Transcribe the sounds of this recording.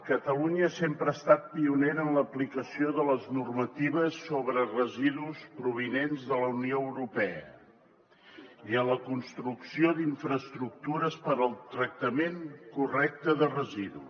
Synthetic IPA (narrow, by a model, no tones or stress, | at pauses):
kət̪əluɲəasempɾəaːst̪at̪̚piuneɾənləplikəsioðələznurmət̪iβ̞əsːoβɾərəziðuspɾuβ̞inenzðələunioəwɾupɛə̰ | iənləkunst̪ɾuksioðiɱfɾəst̪ɾuk̚t̪uɾəspəɾəlˠt̪ɾək̚t̪əmeŋkurɛk̚t̪əðərəziðu